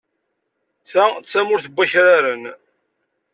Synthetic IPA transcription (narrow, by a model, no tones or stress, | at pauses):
θæt͡sːæmʊɾθəbʷːæçɾaɾən